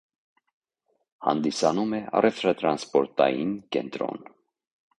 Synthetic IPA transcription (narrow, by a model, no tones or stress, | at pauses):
hɑ̰nd̪isɑnumɛɑ̰rɛft̪ɾɑt̪ɾɑnspɔɾt̪ɑjinkɛnt̪ɾɔ̰n